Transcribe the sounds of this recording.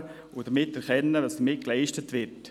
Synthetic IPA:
udəmɪtɛɾkʰɛnːədɑsdəmɪt̚klaɪʃtətʋɪɾt

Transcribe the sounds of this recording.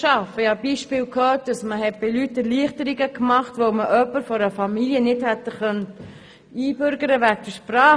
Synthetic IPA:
ʃɑfəjhɑbiːʃpɪːlkʰhœːt̚dɑsməhɛt̚b̥ɪlytːəliəχtəɾiɡəkmɑχtʋoʊməʔœpːəɾfɔɾəfɑmiljənɪthɛt̪ːəχœnət | iːbʏɾɡəɾəʋæɡ̚d̥əʃpɾɑː

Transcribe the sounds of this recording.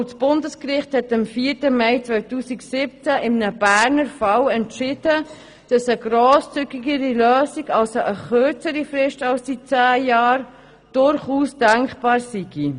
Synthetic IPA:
sb̥ʊndəskɾɪχthɛtɑmfiːɾtəmɛɪt͡svœɥtuːsiksɪp̚t͡sæʔɪmnəb̥æːɾnəɾfɑwɛntʃɪd̥ə | d̥ɑsəɡɾoːst͡syɡiɡəɾiløːsiɡɑlsoʔəχøɾt͡səɾifɾɪʃtɑlsit͡sæːjɑːɾ | d̥ʊɾχuːsd̥ɛŋkχb̥ɑːɾsiɡ̥i

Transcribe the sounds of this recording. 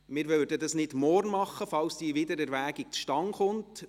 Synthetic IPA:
mɪːɾʋœldədɑsnɪdmɔrnmɑχːəfɑlsd̥iʋɪdəɾɛɾʋæːɡik̚t͡sʃtɑŋχʊnt

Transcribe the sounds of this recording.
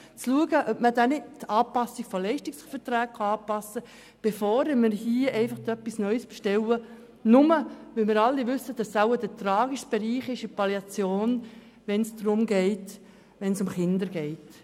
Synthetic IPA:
t͡sluəɡəʔœpmədænɪt̚tɑːpɑsiɡ̥fɔlɛɪʃtɪksfəɾtɾæːk̚kʰɑɑːpɑsːə | b̥efɔːɾɪmɪɾhiəʔɛɪfɑχd̪œpːisnœʏsb̥ɛʃtɛwə | nʊməʋɪlmɪːɾɑlːiʋʏsəd̥ɑsːawəd̥ətɾɑːɡiʃtb̥ɛɾiːχɪʃɪpɑljɑt͡sjoːn | ʋɛnsd̥ɾʊmɡɛɪt | ʋɛnsʊmχɪndəɾɡɛɪt

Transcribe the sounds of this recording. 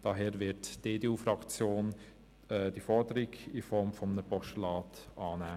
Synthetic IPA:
d̥ɑɦɛːɾʋɪɾtd̥eːdeːuːfɾɑkt͡sjoːn | ɛd̥ifɔɾdəɾiɡifɔɾmfɔmənəpɔsʃtəlɑːtʔɑːnæː

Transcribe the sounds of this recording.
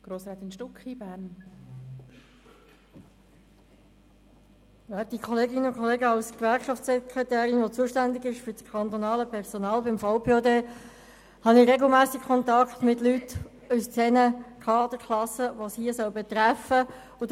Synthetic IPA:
ɡ̥ɾoːsɾat̪ɪnʃtʊkχibæːɾn | jɛːdikʰɔleːɡɪnəʊkʰɔleːɡəɑʊskvæɾkʃɑftsɛkɾet̪æːɾɪnʋot͡suəʃtænd̪ɪɡɪʃføɾt͡skʰɑnt̪onɑːləpʰɛɾsonɑːlbɪmfaʊpʰeːodeː | hɑnɪɾeɡl̩mæːsɪk̚kʰɔnt̪ɑkχt̪mɪtlyt̪ | ust͡sɛnəkʰɑːɑd̪əkʰlɑsəʋoshiəsœlbɛt̪ɾæfə | ʊ

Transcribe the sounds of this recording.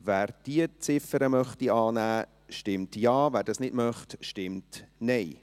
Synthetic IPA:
væːɾd̥iət͡sɪfəɾəmœχtiɑːnæː | ʃtɪmtjɑːvæːɾdɑsnɪdmœχtʃtɪmtnɛɪ

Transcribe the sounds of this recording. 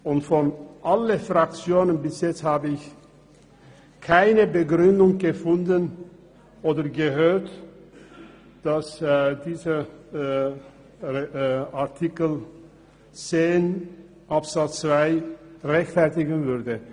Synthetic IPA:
ʊntfɔnʔaləfʁak̚t͡sjoːnənbɪsjɛt͡sthaːbəɪç | kʰaɪnəbəɡʁʏndʊŋɡ̥əfʊndən | ʔoːdɐɐɡəɦøːɐt | d̥asdiːzə | aɐtʰikl̩ | t͡seːn | ʔapz̥at͡st͡sv̥aɪʁɛçtfɛɐtɪɡn̩vʏɐdə

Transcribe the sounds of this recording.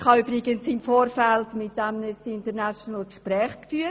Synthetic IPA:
χɑyb̥ɾɪɡənsimfoːɾfɛltmɪt̚dɛmnɛstiɪntəɾnasonəlkʃpɾɛːχkfyːə

